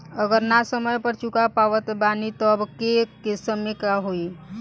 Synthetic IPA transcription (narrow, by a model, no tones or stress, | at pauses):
əɡəɾnasəməjpəɾt͡ʃukapaʋət̪banit̪ɔbkekesəmekaɦoi